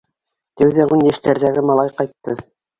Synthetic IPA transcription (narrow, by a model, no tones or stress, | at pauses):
t̪æwðæʁʉnjæʃt̪æɾðæɡɘmɑlˠɑjqɑjt̪ːɤ